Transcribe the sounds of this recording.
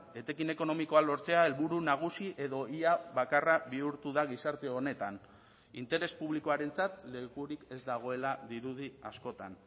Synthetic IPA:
e̞t̪e̞kine̞ko̞no̞miko̞alo̞ɾt͡se̞ae̞lβuɾunaɣ̞usiʔe̞ðo̞iaβakaraβiuɾt̪uðaɣisaɾt̪e̞o̞ne̞t̪an | int̪e̞ɾe̞spuβliko̞aɾe̞nt͡sat̪le̞kuɾike̞zd̪aɣ̞o̞e̞laðiɾuðia̰sko̞t̪an

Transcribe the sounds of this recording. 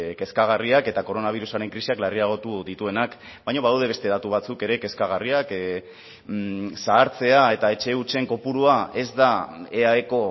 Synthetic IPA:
ke̞skaɣ̞ariake̞t̪ako̞ɾo̞naβ̞iɾusaɾe̞ŋkɾisiaklariaɣ̞o̞t̪uðit̪ue̞nak | bajɲo̞βaðawðe̞βe̞st̪e̞ðat̪uβ̞at͡suke̞ɾe̞ke̞skaɣ̞ariak | saːɾt͡se̞ae̞t̪ae̞t͡ʃe̞ut͡ʃe̞ŋko̞puɾuae̞zd̪aeaeko̞

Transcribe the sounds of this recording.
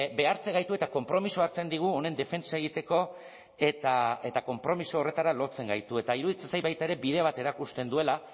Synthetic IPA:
be̞aɾt͡se̞ŋɡajt̪ue̞t̪ako̞mpɾo̞misoaɾt͡se̞nd̪iɣ̞uo̞ne̞nd̪e̞fe̞nt͡saeɣ̞it̪e̞ko̞ | e̞t̪ae̞t̪ako̞mpɾo̞misooːre̞t̪aɾalo̞t͡se̞ŋɡajt̪ue̞t̪aiɾuðit͡sesajβajt̪ae̞ɾe̞bið̞e̞β̞at̪e̞ɾakust̪e̞nd̪ue̞la

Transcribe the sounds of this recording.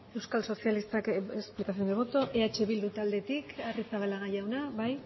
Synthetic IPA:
e̞wskalso̞sijalist̪akesplikasioneβo̞t̪o̞ʔe̞at͡ʃe̞βild̪ut̪ald̪e̞t̪ikarisaβalaɣajawnaβaj

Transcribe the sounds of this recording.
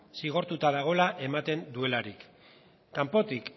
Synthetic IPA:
siɣ̞o̞ɾt̪ut̪aðaɣ̞o̞laʔe̞mat̪e̞nd̪ue̞laɾikː | ampo̞t̪ik

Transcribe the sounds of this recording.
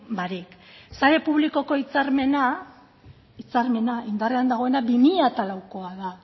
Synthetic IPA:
baɾik | saɾe̞puβ̞liko̞ko̞it͡saɾme̞na | it͡saɾme̞naind̪areand̪aɣo̞e̞nabimiʎat̪alawko̞aða

